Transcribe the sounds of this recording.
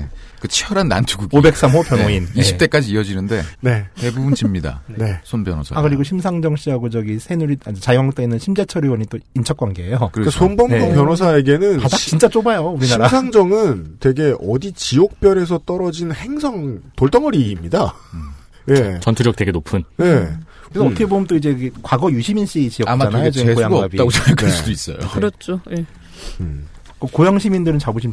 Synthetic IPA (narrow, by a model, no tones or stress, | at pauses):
kɯt͡ɕʰiʌɾanːa̰nt͡ɕʰuɡuɡobe̞k̚s͈amɦopjʌnɦoinii̥t͈ek͈ad͡ʑiːʌd͡ʑinɯnde̞ne̞te̞bubunt͡ɕimɲida̰ene̞sʰonpjʌno̰sʰa̰akɯɾiɡoɕʰimsʰaŋd͡ʑʌŋɕ͈iɦaɡod͡ʑʌɡisʰenuɾiad͡ʑt͡ɕajwaŋot͈enɯnɕʰimd͡ʑat͡ɕʰʌɾiwʌɲit͈oint͡ɕʰʌk̚kwaŋɡeejokɯɾkasʰonbʌmʰopjʌnos̬ʰaeɡenɯnadakt͡ɕint͡ɕ͈at͡ɕ͈obajouɾiɕnaiɾasʰaŋd͡ʑʌŋɯntwe̞ɡe̞ʔʌdit͡ɕiok̚p͈jʌɾe̞sʰʌt͈ʌɾʌd͡ʑinhe̞ŋsʰʌŋtoɭt͈ʌŋʌɾiːmɲida | je̞t͡ɕʌntʰuɾjʌk̚t͈e̞ɡe̞nopʰɯnne̞ | kɯɾesottʰeboɡɯmt͈oid͡ʑe̞kwaɡʌjuɕʰiminɕ͈iet͡ɕiʌamaanaeeojaŋɡoabit͈aɡot͡ɕakaɭsuduis͈ʌ̰jo̰kɯɾʌt͡ɕʰoe | kokojaŋɕʰimindɯɾɯnt͡ɕaboɕʰim